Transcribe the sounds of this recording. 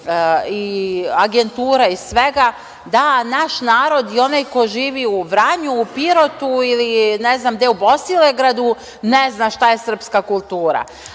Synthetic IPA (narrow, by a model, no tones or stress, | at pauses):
iaɡe̞nt̪uːɾaisʋe̞ɡa | d̪anaʃnaːɾo̞d̪io̞najkoʒiːʋiuʋɾaɲuːpiɾo̞t̪uilineznamd̪eubost̪ileɡɾad̪u | neznaʃt̪aje̞sr̩pskakulˠt̪uːɾa̰